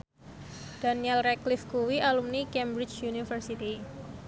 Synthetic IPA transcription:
d̥aniɛlrɛklifkuwiʔalumnikɛmbɾɪt͡ʃjunifərsit̪i

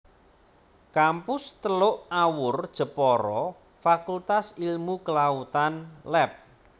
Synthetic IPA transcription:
kampʊst̪əlʊʔawʊrd̥ʒ̥ə̤pɔɾɔ | fakult̪asilmukəlaut̪anlɛp̚

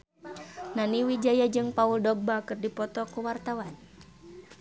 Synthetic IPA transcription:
naniwid͡ʒajad͡ʒɨŋpauldɔɡ̚bakɨrdipɔt̪ɔkuwart̪awan

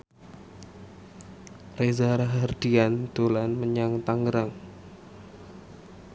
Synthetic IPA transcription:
rezaɾaɦard̪iand̪olanməɲaŋt̪aŋɡəɾaŋ

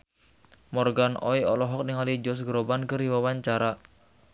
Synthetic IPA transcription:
mɔrɡanɔiɔ̰lɔɦɔk̚niŋalid͡ʒɔs̬ɡɾobankəriwawaɲt͡ʃaɾa

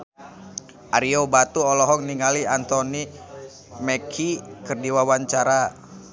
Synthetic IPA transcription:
ʔaɾiobat̪uɔlɔɦɔkniŋaliant̪ɔni | mɛkʰikərdiwawaɲt͡ʃaɾa

